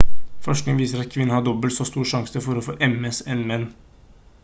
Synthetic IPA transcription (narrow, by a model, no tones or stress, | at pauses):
fɔʂknɪŋʋiːsəɾɑt̪̚kʰʋɪnːəhɑd̪ɔbəlsɔːst̪uːʂɑŋsəfɔɾɔfoːʔɛmɛsɛnmɛnː